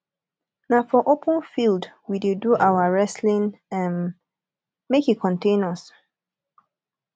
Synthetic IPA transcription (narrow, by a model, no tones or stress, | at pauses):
nafɔʔopʰə̃nfildwideduʔawaɹɛslĩnãn | mekikʰɔ̃ntẽnɔs